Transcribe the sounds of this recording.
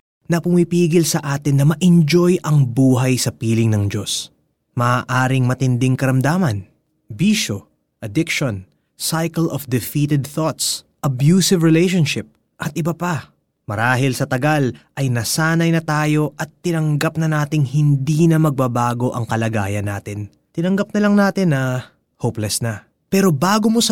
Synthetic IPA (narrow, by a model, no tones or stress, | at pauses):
nɐpʊmipiːɡɪlsɐʔaːt̪ɪnːɐmɐʔɪnd͡ʒo̞jʔɐŋbuːɦɐjsɐpiːlɪŋnɐŋd͡ʒo̞s | mɐːʔaːɾɪŋmɐt̪ɪnd̪ɪŋkɐɾɐmd̪aːmɐn | biːʃo | ʔɐd̪ɪkʃon | sajkɐlʔofd̪ɪfiːt̪ɛd̪̚θot̪sʔɐbjuːsɪvɹɪlɛjʃonʃɪp̚ | ʔɐt̪̚ʔɪbɐpa | mɐɾaːɦɪlsɐt̪ɐɡalʔɐjnɐsaːnɐjnɐt̪aːjo̞ʔɐt̪ːɪnɐŋɡɐp̚nɐnaːt̪ɪŋhɪnd̪iːnɐmɐɡ̚bɐbaːɡo̞ʔɐŋkɐlɐɡaːjɐnːaːt̪ɪn | t̪ɪnɐŋɡɐp̚nɐlɐŋnaːt̪ɪnɐ | hoplɛsnɐ | pɛːɾo̞baːɡo̞mo̞sɐ